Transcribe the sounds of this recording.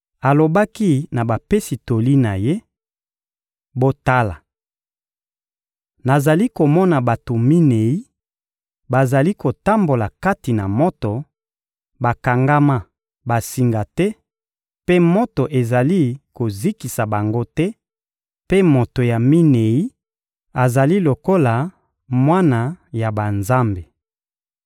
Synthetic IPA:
a˨lo˨ba˦ki˦na˨ba˨pe˦si˨to˨li˦na˨je˦ | bo˦ta˦la˨ | na˨za˨li˦ko˨mɔ˦na˨ba˨to˨mi˦ne˨i˦ | ba˨za˨li˦ko˨ta˦mbo˨la˨ka˦ti˨na˨mɔ˦to˨ | ba˨ka˨ŋɡa˦ma˦ | ba˨si˨ŋɡa˨tɛ˦ | pe˦mo˦to˨ʔe˨za˨li˦ko˨zi˦ki˨sa˨ba˨ŋɡo˦tɛ˦ | pe˦mo˨to˨ja˨mi˦ne˨i˦ | a˨za˨li˦lo˨ko˦la˨ | mwa˦na˨ja˨ba˨nza˦mbe˨

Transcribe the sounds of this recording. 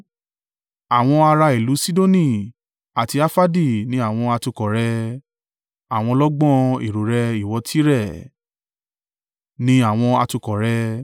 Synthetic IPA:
a˨w̃ɔ̃˧a˧ɾa˧i˨lu˨˦si˦do˦nĩ˦˨ | a˨ti˧a˦fa˦di˦˨nĩ˦a˦˨w̃ɔ̃˧a˧tu˧kɔ˨ɾɛ˧ | a˨w̃ɔ̃˧lɔ˦ɡ͡bɔ̃˦ḭ˨ɾo˨ɾɛ˧i˨wɔ˨˧tʰi˦ɾɛ˦˨ | nĩ˦a˦˨w̃ɔ̃˧a˧tũ˧kɔ˨ɾɛ˧

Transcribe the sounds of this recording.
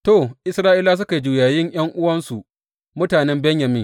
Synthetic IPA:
toː˦˨ʔɪ˦sɾaː˦ʔiː˦laː˦s̬ʊ˦ka˨˦d͡ʒuː˨jaː˨jɪ˦ɲj̰ɐ˦ŋʔʊ˦wɐ˦nsu˨ | mʊ˦taː˨nɛ˦mbɛ˦ɲjɐ˨mɪ˦ŋ

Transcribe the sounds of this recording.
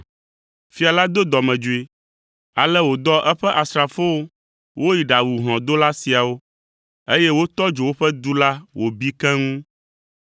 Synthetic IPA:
fi˦a˨la˦d̪o˦d̪ɔ˨mɛ̃˨d͡ʒu˨e˨ | a˨lɛ˦wo˨d̪ɔ˦ʔɛ˦ɸɛ˦ʔa˨sɾa˨fo˦wo˦ | wʔo˦ji˨ɖa˨wu˨ɦɔ̃˨d̪o˦la˦si˨a˨wo˦ | e˦jɛ˦wo˦t̪ɔ˦d͡ʒo˨wo˦ɸɛ˦d̪u˦la˦wo˨bi˦kɛ̃˦ŋũ˦

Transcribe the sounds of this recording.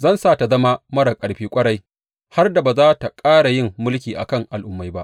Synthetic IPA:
zɐ˦˨nsaː˦˨ta˨zɐ˦ma˦mɐ˦ɽa˨kʼɐ˨ɽɸiː˦kʷʼɐ˦ɽa˦j | ha˦rda˨ba˨zaː˦ta˨kʼaː˦ɽa˨jɪ˦˨mːʊ˦lk̬ʲiː˨ʔa̰˨kɐ˦˨ŋʔa˨lʔʊ˦mːa˦jba˦ʔ

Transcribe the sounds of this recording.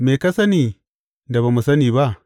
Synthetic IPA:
me˨ka˦sɐ˦niː˨ | da˨ba˨mu˨sɐ˦niː˨ba˦ʔ

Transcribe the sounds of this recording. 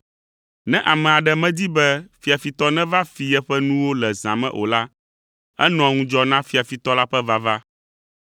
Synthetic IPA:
nɛ̃˦ʔa˨mɛ̃˨a˨ɖɛ˨mɛ̃˦d̪i˦bɛ˦fi˨a˨fi˨t̪ɔ˦nɛ̃˦va˦fi˨jɛ˦ɸɛ˦nũ˦wo˦lɛ˨zã̰˨mɛ̰̃˦ʔo̰˨la˦ | ɛ̰˦nɔ̃˨ŋũ˦d͡ʒɔ˦nã˦fi˨a˨fi˨t̪ɔ˦la˦ɸɛ˦va˦va˦

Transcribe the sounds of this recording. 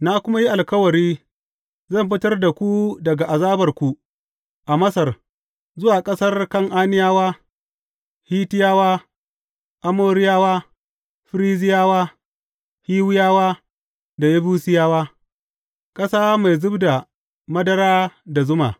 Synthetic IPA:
na˦kʷʊ˦ma˦ji˦ʔa˨lkɐ˦wɐ˨ɾiː˦ | zɐ˦˨mɸɪ˦tɐ˦rda˨kʷu˦dɐ˨ɡa˨ʔa˨zaː˦bɐ˨rkʷu˨ | ʔa˨mɐ˦sɐ˨r | zʊ˦waː˨kʼɐ˦sɐ˦rkɐ˦˨ŋʔaː˦nɪ˦jaː˦waː˦ | hiː˦tɪ˦jaː˦waː˦ | ʔa˨moː˦ɾɪ˦jaː˦waː˦ | ɸɪ˦ɾiː˦zɪ˦jaː˦waː˦ | hiː˦wɪ˦jaː˦waː˦ | da˨ja˦buː˦sɪ˦jaː˦waː˦ | kʼɐ˦saː˦ma˨jzʊ˦bda˨ | mɐ˦dɐ˦ɾaː˦da˨zʊ˦ma̰ː˨

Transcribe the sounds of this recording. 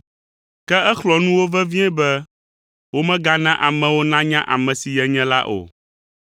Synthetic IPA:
kɛ˦ɛ˦xlɔ˨nũ˦wo˦vɛ˦vĩ˦ɛ̃˦bɛ˦ | wo˦mɛ̃˦ɡa˦nã˦ʔa˨mɛ̃˨wo˦nã˦ɲã˦ʔa˨mɛ̃˨si˨jɛ˨ɲɛ̃˦la˦ʔo̰˨

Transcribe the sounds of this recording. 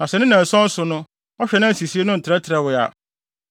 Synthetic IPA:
nã˨sɛ˨nɪ̃˦nã˨n̩˨sɔ̃˦n̩˦sʊ˨nʊ̃˦ | ɔ˦ɕᶣɛ˨˦nã˦˨si˨si˦e˦nʊ̃˦n̩˨tʰɪ˨ɾɛ˦tʰɪ˨ɾɛ˨wʊ˨a̰˨

